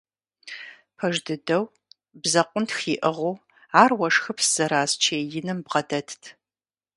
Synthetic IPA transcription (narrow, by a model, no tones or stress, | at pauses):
pʰɐʒdɨdɐw | bzɐqʷʊntʰxiːʔɨʁoː | aːrwɐʂxɨpʰsz̥ɐɾaːzt͡ʃʰeːjɪnɨmbʁɐdɐtʰtʰ